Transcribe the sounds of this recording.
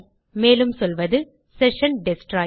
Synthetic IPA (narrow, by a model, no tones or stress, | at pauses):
meːlɯmsɔlʋɐðɯ | sɛʂɐnɖɪsʈɾaː